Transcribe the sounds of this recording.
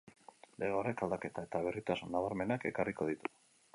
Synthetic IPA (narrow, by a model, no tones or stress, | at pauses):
leɣorekald̪ake̞t̪ae̞t̪aβ̞erit̪asunːaβaɾme̞nake̞kariko̞ð̞it̪u̥